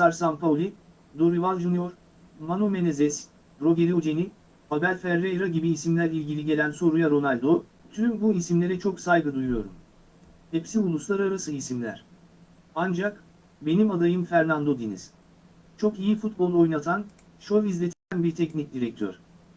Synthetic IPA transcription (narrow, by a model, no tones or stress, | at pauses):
saɾsanpaulʲi | d̪o̞ɾivalˠd͡ʒunjo̞ɾ | manume̞nezɛs | bɾo̞ɡeɾiod͡ʒ̪eni | habæɾʲfæɾːejɾaɟibiːsimlʲæɾilʲɟilʲiɟe̞lʲænso̞ɾujaɾo̞nalʲd̪o̞ | t̪ʰymbuisimlʲe̞ɾɛt͡ʃʰo̞ksajɡɯd̪ujujo̞ɾṵm | hepsiulˠuslˠaɾaɾasɯisimlʲæ̰ɾ̥ | and͡ʒak | be̞nimad̪ajɯmfæɾnand̪o̞d̪inḭz̥ | t͡ʃʰo̞kijifut̪̚bo̞lˠo̞jnat̪ʰan | ʃovizlʲe̞t̪ʰelʲænbiɾt̪ʰɛcnic̚d̪iɾɛc̚t̪ʰø̰ɾ̥